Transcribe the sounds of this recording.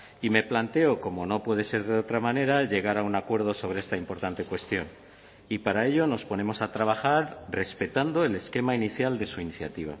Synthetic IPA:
ime̞plant̪e̞oko̞mo̞no̞pwe̞ð̞e̞se̞ɾðeo̞t̪ɾamãne̞ɾaʎe̞ɣaɾaunakwe̞ɾð̞o̞so̞β̞ɾe̞est̪aimpo̞ɾt̪ant̪e̞kwe̞st̪jo̞n | ipaɾae̞ʎo̞no̞spo̞ne̞mo̞sat̪ɾaβ̞axaɾre̞spe̞t̪and̪o̞ele̞ske̞mainiθjald̪e̞suiniθja̰t̪iβ̞a̰

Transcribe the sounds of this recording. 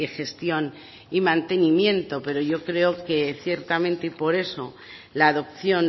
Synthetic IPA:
exe̞st̪jo̞n | imãnt̪e̞nimjẽ̞nt̪o̞pe̞ɾo̞ʝo̞kɾe̞oke̞θje̞ɾt̪amẽnt̪eipo̞ɾe̞so̞̰ | laːðop̚θjo̞n

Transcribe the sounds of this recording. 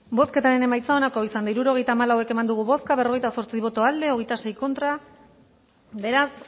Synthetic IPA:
bo̞ske̞t̪aɾe̞ne̞majt͡sao̞nako̞isand̪aiɾuɾo̞ɣe̞jt̪aːmalawe̞ke̞mand̪uɣ̞uβo̞skaβe̞ro̞ɣe̞jt̪aso̞ɾt͡siβo̞t̪o̞ald̪e̞o̞ɣe̞jt̪ase̞jko̞nt̪ɾa | be̞ɾas

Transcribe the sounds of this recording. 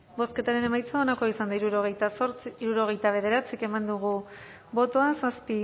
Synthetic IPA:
bo̞ske̞t̪aɾe̞ne̞majt͡saonakoisand̪aiɾuɾoɣejt̪asoɾt͡siiɾuɾo̞ɣ̞e̞jt̪aβ̞e̞ðe̞ɾat͡sike̞mand̪uɣu | bo̞t̪o̞asaspi

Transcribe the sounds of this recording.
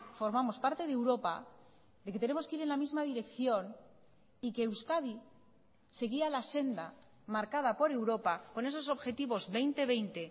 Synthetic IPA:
fo̞ɾmamo̞spaɾt̪e̞ð̞ewɾo̞pa | d̪eke̞t̪e̞ne̞mo̞skeiɾe̞nlamizmaðiɾe̞kθjo̞n | ikeːwskaði | se̞ɣialase̞nd̪a | maɾkað̞apo̞ɾe̞wɾo̞pako̞ne̞so̞so̞βxe̞t̪iβo̞zβe̞jnt̪e̞β̞e̞jnt̪e̞

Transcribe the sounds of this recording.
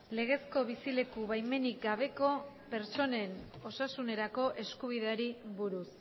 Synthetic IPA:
le̞ɣ̞e̞sko̞β̞isile̞kuβajme̞nik̚ɡaβ̞e̞ko̞ | pe̞ɾt͡ʃo̞ne̞no̞sasune̞ɾako̞ʔe̞skuβ̞iðeaɾiβuɾus

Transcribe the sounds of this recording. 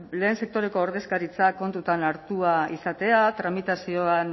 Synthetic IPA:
le̞ːnse̞k̚t̪o̞ɾe̞ko̞ːɾðe̞skaɾit͡sako̞nt̪ut̪anaɾt̪uaisat̪e̞at̪ɾamit̪asio̞an

